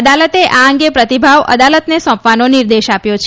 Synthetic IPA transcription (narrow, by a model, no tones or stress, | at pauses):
əd̪alət̪eʔaə̃ŋɡepɾət̪ibʱaʋʔə̰d̪alət̪nesɔ̃pʋanoniɾd̪eʃapjot͡ʃʰ